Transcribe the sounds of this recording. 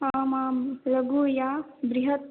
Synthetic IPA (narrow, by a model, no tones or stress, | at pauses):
aːmaːmlɐɡuːjaːbɾiɦɐt̪̚